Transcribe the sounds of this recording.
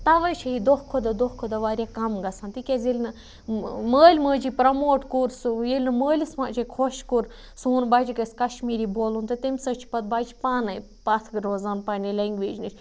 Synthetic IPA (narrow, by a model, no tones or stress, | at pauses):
t̪ɐʋɐt͡ʃʰɐɦid̪ohkʰod̪ɐd̪ohkʰod̪ɐʋaːɾʲakɐmɡɐsaːnt̪ikʲezelʲnɨ | məːlʲməːd͡ʒipɾɐmoːʈkuɾsjelʲnɨməːlʲismaːʔt͡ʃʰikʰoʃkuɾ | suːnbaːd͡ʒiɡɐsʲkɐʃmiːɾiboːlunt̪ɨt̪emʲsɐt͡ʃʰi̥pɐt̪̚baːd͡ʒipaːnɐj | pɐt̪ʰɡɨɾoːzaːnpaːnʲilɐŋɡʲʋeːd͡ʒnɨt͡ʃʰʲ